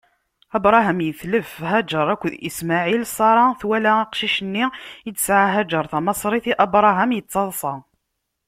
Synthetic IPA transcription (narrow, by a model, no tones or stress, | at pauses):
æbɾˤɑɦæmjəθləfɦæd͡ʒəɾˤækʷːðḭsmaʕilsˤɑɾˤɑθwælæqʃiʃənːiədsʕaɦæd͡ʒəɾˤθɑmɑsˤɾˤiθiʔɑbɾˤɑɦæmjət͡sːɑðˤsˤɑ